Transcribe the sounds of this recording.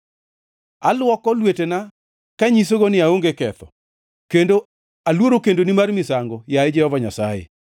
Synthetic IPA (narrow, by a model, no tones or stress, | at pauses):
alwɔkɔlwetena | kaɲis̬oɡonɪaoŋɡekɛt̪ɔ̰ | kendo | alwoɾokendonimarmɪsaŋɡɔjaɪd͡ʒɛhɔvaɲasajḛ